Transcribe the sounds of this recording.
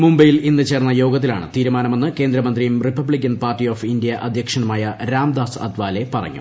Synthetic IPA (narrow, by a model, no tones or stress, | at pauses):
mumbɐjilinːɨt͡ɕe̞ːrnːɐjo̞ːɡɐt̪̬ːila̰ːɳɨ̰t̪iːɾumaːnɐme̞nːɨke̞ːnd̪ɾɐmɐnd̪rijumripɐbɭik̬ʲːɐnpaːrʈːioːfindijɐʔɐd̪ʱjɐkʂɐnumaːjɐɾaːmd̪aːsɐ̰d̪ʋaːle̞pɐrɐ̰ɲːṵ